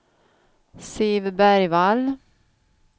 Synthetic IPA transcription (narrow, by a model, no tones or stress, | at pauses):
sivbæɾjval